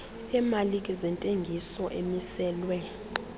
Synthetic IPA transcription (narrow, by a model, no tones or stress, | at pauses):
ɛmalikʼɛzɛntʼeŋɡʱisɔʔemisɛːlwɛ